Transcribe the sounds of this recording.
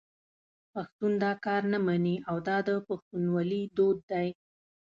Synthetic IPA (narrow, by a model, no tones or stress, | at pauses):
paxt̪und̪ɑkɑɾnamaniawd̪ɑd̪əpaxt̪unwalid̪od̪ːaj